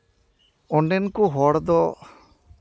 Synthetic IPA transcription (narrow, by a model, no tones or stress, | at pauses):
ɔɳɖɛnkuɦɔɽd̪ɔ